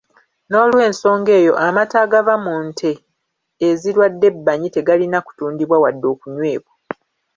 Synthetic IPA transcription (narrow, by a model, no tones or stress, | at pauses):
no̞ːlwe̞ːnso̞ːŋɡe̞ːjo̞ʔamataɡavamuːntʰe̞ː | ziɾwadːe̞bːaɲite̞ɡalinaku̥tuːndiβwawadːo̞ːkuɲwe̞ːβwa